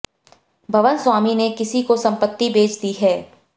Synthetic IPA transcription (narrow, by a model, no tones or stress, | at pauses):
bʱɐʋənswaːminekɪsikosɐ̃mpət̪ːibeːt͡ʃd̪iɦɛː